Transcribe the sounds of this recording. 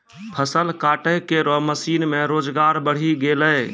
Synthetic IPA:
pʰəsəlkaʈəjkeɾɔməsinmeɾoːd͡ʒɡaɾbəɽ̤iɡeləɪ

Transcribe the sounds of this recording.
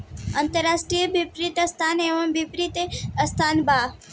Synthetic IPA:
ɐ̃nt̪əɾaːsʈɾijəbipɾit̪əst̪ʰaːneʋɐmbipɾit̪eəst̪ʰaːnba

